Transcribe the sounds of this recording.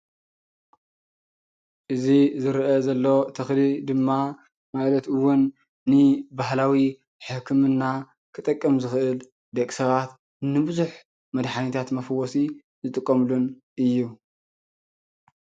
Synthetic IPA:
ʔɨzizɨɾʔɐzɐlːo̞t̪ʰɐxlid̪ɨmːa | malɐt̪ɨwʊnː | ɨbaɦlawi | ħɨkʰɨmɨnːa | kʰɨt̪ʼɐkʼːɐmzɨxʔɨl | d̪ɐkʼsɐβat̪ | nɨbɨzuħ | mɐd̪ħanit̪ʰat̪mɐfɐwːosi | zɨt̪ʼɨkʼːɐmlun | ʔɨjːu

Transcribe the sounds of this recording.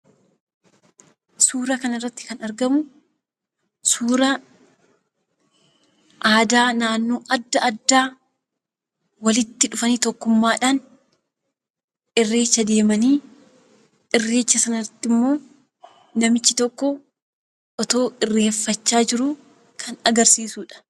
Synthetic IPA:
suːɾɐkɐnɪrːɐt̪ːɪ̥kɐnɐɾɡɐmʊ | suːɾɐ | ʔaːd̪aːnaːnːo̞ːʔɐd̪ːɐɐd̪ːaː | wɐlɪt̪ːɪᶑʊfɐniːt̪ɔkːʊmːaːᶑaːn | ɪrːe̞ːt͡ʃːɐd̪e̞ːmɐniː | ʔɪrːe̞ːt͡ʃːɐsɐnɐrɐt̪ːɪmːo̞ː | nɐmɪt͡ʃːɪt̪ɔkːɔ | ʔɔt̪o̞ːʔɪrːe̞ːfːɐt͡ʃːaːd͡ʒɪɾʊ | kʰɐnɐɡɐɾsiːsuːᶑɐ̥

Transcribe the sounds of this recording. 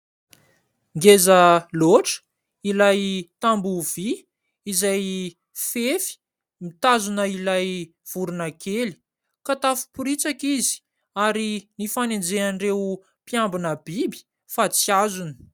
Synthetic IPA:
ŋɡezəloʈ͡ʂə̥ | ilajt̪ambuv̥i | izaj | fefi̥ | mit̪azunəilaj | v̥uɾunəkeli̥ | kat̪afu̥puɾit͡sakizi̥ | aɾinifanend͡zeanirew | pjambinəb̥ibi̥ | fat͡siazunə̥

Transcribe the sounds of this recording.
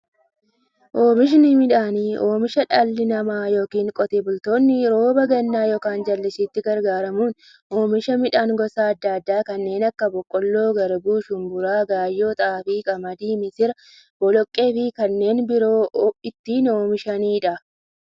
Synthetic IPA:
ʔoːmɪʃ̬nɪmɪᶑaːniːʔo̞ːmɪʃɐᶑɐlːɪnɐmaːjo̞ːkiːŋkʼɔt̪eːbʊlt̪o̞ːnːɪɾo̞ːbɐɡɐnːaːjɔkaːnd͡ʒɐlːɪsɪt̪ːɪɡɐɾɡaːɾɐmuːn | ʔo̞ːmɪʃɐmɪᶑaːŋɡɔsaːɐd̪ːɐːd̪ːaːkɐnːe̞ːnɐkːɐbɔkʼːɔlːo̞ːɡɐɾbuːʃʊnbʊɾaːɡaːjːo̞ːt̪ʼaːfiːkɐmɐd̪iːmɪsɪɾɐ | bɔlɔkʼːe̞ːfɪkɐnːe̞ːnbɪɾoːɪt̪ːiːno̞ːmɪʃɐniːᶑɐ

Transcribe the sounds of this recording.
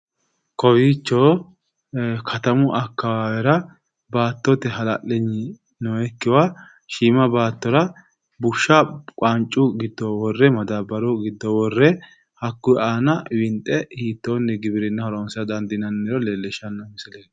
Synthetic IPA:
kɔbiːt͡ʃːoː | kʰɐt̪ɐmʊʔɐkːɐwaːwɛɾɐ | baːt̪ːɔt̪ɛɦɐlaʔɛɲːɪ | nɔːɛkːɪwaː | ʃiːmɐbaːt̪ːɔɾɐ | bʊʃːɐkʷʼant͡ʃʼːʊɡɪd̪ːɔwɔrːɛmɐd̪abɐɾɔɡɪd̪ːɔwɔrːɛ | hɐkːʊaːnɐwɪnt̪ʼːɛhiːt̪ːoːnːɛɡɪbɪɾɛnːɐhɐɾɔːnsɐd̪ɐnd̪ɪnɐnːɪɾɔleːlːɛʃɐnːɐmɪsɪleːn

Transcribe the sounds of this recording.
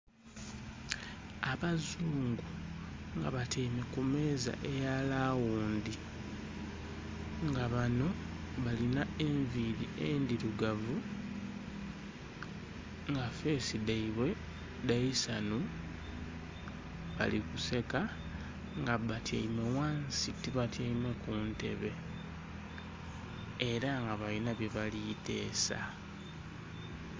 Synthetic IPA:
aβazuːŋɡuŋɡa̰βatʰeime̞kume̞ːza̰ʔe̞jalawuːndi | ŋɡaβano̞ | βalinaeɱviliend̪iɾuɡavu | ŋɡafe̞sidaiβwe̞ | daisanu | βa̰likuse̞ka | ŋɡaβatja̰imwewaːnsitiβatjaimwe̞kuːnte̞̰βe̞ | ɾaŋɡaβalinaβjeβalite̞̰ːsa̰

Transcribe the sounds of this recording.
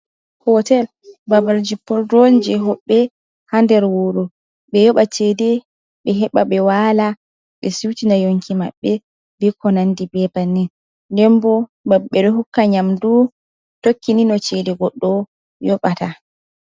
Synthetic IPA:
hɔtɛl | babaɾd͡ʒipːɔldɔnd͡ʒɛɦɔɓːɛ | handɛɾwoɾu | ɓɛjɔɓat͡ʃɛdɛ | ɓɛɦɛɓaɓɛwala | ɓɛsiwtinajoŋkʰima̰ɓːɛ | bɛkɔnandibɛbanɛn | ndɛmbɔ | baɓːɛɗɔhukːaɲamdu | tokːininɔt͡ʃɛdɛɡɔɗːɔ | jɔɓata

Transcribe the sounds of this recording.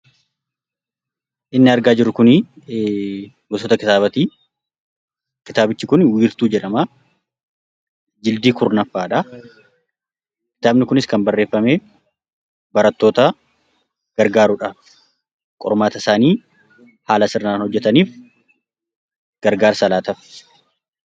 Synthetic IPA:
ʔɪnːɪɐɾɡaːd͡ʒɪɾʊkʊni | ɡɔsɔt̪ɐkɪt̪aːβɐt̪iː | kɪt̪aːbɪt͡ʃːɪkʊnwiːɾt̪uːd͡ʒɛᶑɐma | d͡ʒɪld̪iːkʰʊɾnɐfːaːᶑɐ | kɪ̥t̪aːbnɪkʊnɪskɐnbɐrːe̞ːfːɐmeː | bɐɾɐt̪ːo̞ːt̪ɐ | ɡ̥ɐɾɡaːɾʊᶑɐ | kʼɔ̰ɾmaːt̪ɐɪsaːniː | haːlɐsɪɾnaːnhɔd͡ʒːɛt̪ɐniːf | ɡ̥ɐɾɡaːɾsɐlaːt̪ɐf

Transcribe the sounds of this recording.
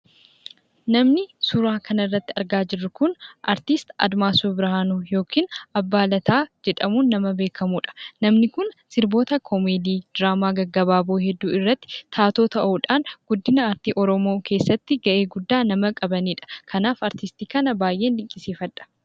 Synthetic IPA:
nɐmnɪsʊɾaːkʰɐnɐɪrːɐt̪ːɪɐɾɡaːd͡ʒɪrːʊkʊnʔɐ̰ɾt̪ɪst̪ɐ̰d̪maːsubɪɾhaːnujo̞ːkʰiːnɐbːaːlɐt̪aːd͡ʒɛᶑɐmuːnːɐmɐbe̞ːkʰɐmuːᶑɐ̥nɐmnɪkʊnsɪɾbo̞ːt̪ɐkʰɔmeːd̪iːd̪̥ɾaːmaːɡɐɡːɐbaːboːɦɛd̪ːṵːɪrːɐt̪ːɪ̥t̪ʰaːt̪o̞ːt̪ɐʔuːᶑaːnɡ̥ʊd̪ːɪnɐaɾt̪iːʔɔɾɔmo̞ːkʰe̞ːsːɐt̪ːɪɡɐʔe̞ːɡʊd̪ːaːnɐmɐkʼɐbɐniːᶑɐ̥kʰɐnaːfɐɾt̪ɪst̪iːkɐnɐbaːjʔe̞ːnᶑɪŋkʼɪsiːfɐᶑ̪ɐ̥

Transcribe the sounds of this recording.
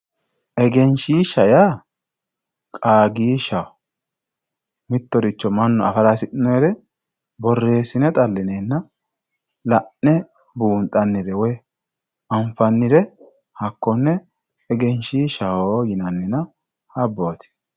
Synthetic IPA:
ʔɛɡɛnʃiːʃɐjaː | kʼaːɡiːʃɐwɔ | mɪt̪ːɔɾɪt͡ʃːɔmɐnːɔɐfɐlasɪʔɪnɔɛd̪ɛ | bɔrːe̞ːsɪnɛt̪ʼɐlːɪneːnːɐ | lɐʔːɛ | buːnt̪ʼɐnːɪd̪ɛwɔj | ɐɱfɐnːɪd̪ɛ | hɐkːɔnːɛː | ɡɛnʃiːʃɐhojɪnɐnːɪnɐ | hɐbːoːt̪ɪ̥

